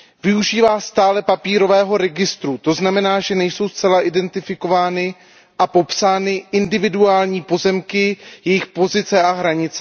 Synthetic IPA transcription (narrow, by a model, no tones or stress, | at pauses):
vɪuʒiːvaːst̪aːlɛpapiːɾo̞vɛːɦo̞ɾɛɡɪst̪ɾut̪o̞znamɛnaːʒɛnɛjso̞wst͡sɛlaʔɪdɛnt̪ɪfɪko̞vaːnɪ | ʔapo̞psaːnɪʔɪndɪvɪduaːlɲiːpo̞zɛmkɪjɛjɪxpo̞zɪt͡sɛʔaɦɾaɲɪt͡sɛ